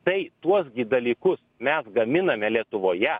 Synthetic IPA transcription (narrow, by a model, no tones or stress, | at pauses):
t̪ɐɪt̪uɔs̬ɡʲɪd̪ɐlʲiːkʊsmʲɛsɡɐmʲɪnɐmʲɛlʲiɛt̪ʊʋoːjɛ